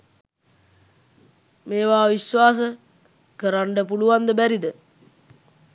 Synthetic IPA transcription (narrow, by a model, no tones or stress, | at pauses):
meːʋaːʋiʃʋaːs̬ə | kəɾaɳɖəpuluʋand̪əbæɾid̪ə